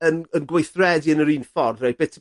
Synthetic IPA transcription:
ənənɡwejθrɛdiənəɾiːnfɔrðab̥ɪtʰ

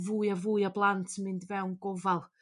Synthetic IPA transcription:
vujavuːjablˠantʰəmɪndvɛwnɡɔvalˠ

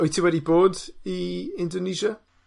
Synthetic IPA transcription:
ɔjtʰɪwɛɾdiboːdiɪ̃ndɔniʒa

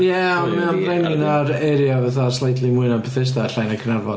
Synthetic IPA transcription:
jɛɔnmɛnrɛnɪnaɾɛɾjɔvɛθaslˠajtlˠimʊɨnabpʰəθɪs̬taɬajnakʰənarvɔ

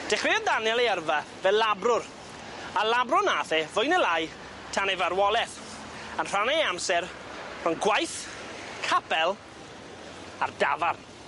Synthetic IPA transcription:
d̥ɛχrɪɔdanjɛlˠeərvavɛlːabrʊr | alabrʊnaːθɛvʊjnɛlaj | tʰanevarwɔlˠɛθ | ənr̥anɛamsɛɾ | r̥ʊnɡwajθkʰapɛlˠ | ardavarn

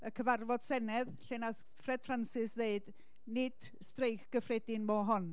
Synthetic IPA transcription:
əkʰəvarvɔd̥sɛnɛðɬɛnaθ | frɛd̥fransɪsðeɨd | nɪd̥ | streɨxɡ̥əfrɛdɪnmɔɦɔn

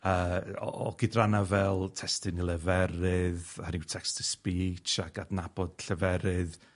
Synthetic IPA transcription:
əːɔ̰ʔɔ̰ɡ̥ɪdranavɛlˠtʰɛstɪnilˠɛvɛɾɪðaniwtʰɛkstʰəspiːt͡ʃaɡadnab̥ɔd̥ɬəvɛɾɨð

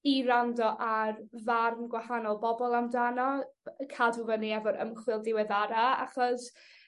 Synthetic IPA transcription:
iɾandɔʔarvarmɡwahanɔlˠbɔbɔlˠamdanɔkʰaduvəniɛvɔɾə̰mχwɪlˠdɪwɛðaɾaa̰χɔs

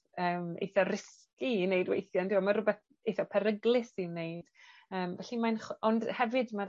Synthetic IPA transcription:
əːmḛjθɔrɪs | kinejdwḛjθjandiwamaɾʊbɛθ | ejθɔpʰɛɾəɡlˠɪsiwnejd̥əːmvɛɬimanχɔndhɛvɨdma

